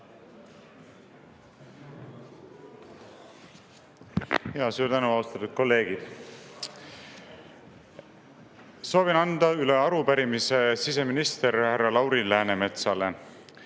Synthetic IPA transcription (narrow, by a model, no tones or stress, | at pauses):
heɑsuːɾt̪ænuɑust̪ɑt̪ːˑud̪̥̚ko̞lːe̞ːɡ̥id̪̥ | so̞ːvinɑnd̪̥ɑyleɑɾupæɾimise̞sis̬e̞minist̪e̞ɾhærːɑlɑwɾilæːneme̞t̪sɑle